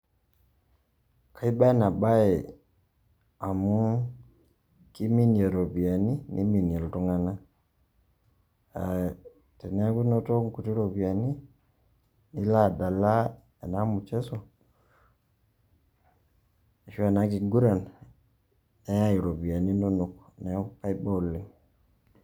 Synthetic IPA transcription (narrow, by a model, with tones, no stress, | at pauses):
ka˦i˦ba˦na˨ba˦ɛ˨ | a˨mu˦ | ki˦mi˦n˨a˨ɾo˨bi˨a˨ni˦nʔḭ˦mi˨nja˨ltɔ˦ŋa˦na˦ | a˨ | tɛ˨na˦ku˦no˦to˦ŋku˨ti˦ɾo˨bi˨a˨ni˦ | ni˦la˦˨da˨la˦ | e˨na˦mu˨t͡ʃɛ˦sɔ˨ | e˨ʃa˦˨na˦ki˨ɡu˦ɾa˨n | ɛ˦a˦i˨ɾo˨bi˨a˨ni˦no˦nu˨knɛ˨˦pa˦jbɔ˦li˨ŋ